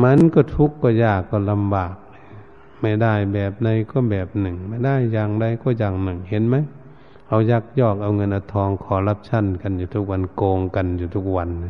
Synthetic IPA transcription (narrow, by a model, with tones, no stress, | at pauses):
ma˧˥˨nkɔː˧˩t̪ʰu˧˥kːɔː˧˩jaː˧˩kːɔː˧˩la˧mbaː˨˩k̚ | ma˧˩jda˧˩˨jbɛː˨˩p̚na˧jkɔː˧˩bɛː˨˩p̚nɯ˨˩ŋma˧˩jda˧˥˨jːaː˧ŋda˧˩jkɔː˧˩jaː˧˩k̚nɯ˨˩ŋhe˧˦nma˧˥˨j | ha˧˩wja˧˦k̚jɔː˧˩k̚ʔa˧wŋɤ˧˥nʔa˧˩wt̪ʰɔː˧˦ŋkʰɔː˨˦la˧˥p̚t͡ɕʰa˧˥˨nka˨njuː˨˧t̪ʰu˧˦k̚wa˧˥nkoː˧ŋka˨njuː˨˩t̪ʰu˧k̚wa˧˥n˧